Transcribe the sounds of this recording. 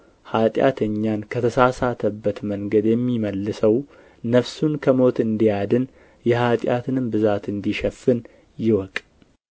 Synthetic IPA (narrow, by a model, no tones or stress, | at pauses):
hat̪ʼja̰t̪ʰəɲːankʰət̪ʰəsasat̪ʰəbːət̪məŋɡəd̪jɛmːiməlːɨsəw | nəβsunkʰəmo̞t̪ɨnd̪ijad̪ɨn | jɛhat̪ʼjat̪ʰɨnɨmbɨzat̪ɨnd̪iʃɛfːɨn | jɪwɔkʼ